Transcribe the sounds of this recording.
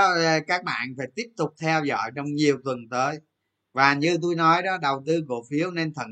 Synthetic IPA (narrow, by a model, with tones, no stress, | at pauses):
kaː˦˥k̚ɓa̰ː˧˨nfaː˧˩jt̪i˦˥əp̚t̪ʊ˨˩k͡p̚t̪ʰɛ˧wzɔ̰˧˨jt͡ɕɔ˧wŋ͡mɲi˨˩əwt̪wə˨˩nt̪əː˨˦j | vaː˨˩ɲɨ˧t̪u˧jnɔ˨˦jɗɔ˨˦ɗə˨˩wt̪ɨ˧ku˧˩əfi˨˦əwne˧nt̪ʰə̰˧˩n